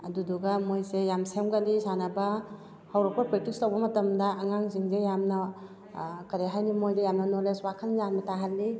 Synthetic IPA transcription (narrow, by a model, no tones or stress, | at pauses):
aduduɡamojzejamsemɡalisanaba | hawɾɔpapɾetikstawbɐmɐtɐmdaʔːŋaŋziŋzejamna | kɐɾeɦajnimojdejamnɐnɔleswakʰanzanmataɦalːi